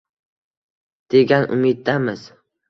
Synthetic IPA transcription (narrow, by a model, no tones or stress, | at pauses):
d̪̥e̞ɡʲanʊ̰mɪd̪̚d̪amɪz